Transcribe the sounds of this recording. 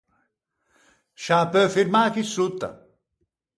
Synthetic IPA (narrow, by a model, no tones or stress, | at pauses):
ʃaːpøfiɾmaːkisut̪ːa̰